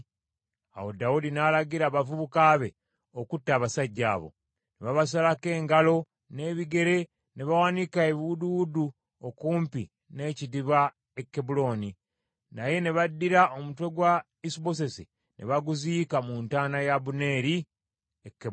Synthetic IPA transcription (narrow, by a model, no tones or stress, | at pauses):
a̰wo̞daudinalaɡiɾaːβavuβukaβe̞ | okutːaːβasaɟːa̰βo̰ | neβaβas̬alake̞ːŋɡalo̞ | ne̞βiɡe̞ɾe̞ | ne̞βawanikaeβiududu | okuːmpḭ | ne̞ːcidiβa | ekːebulo̞ni | naje̞ne̞βadːiɾaomutwe̞ɡwa | isibo̞s̬e̞si | nʔe̞̰βaɡuziːkamuntaːnajabune̞ːɾi | ekːe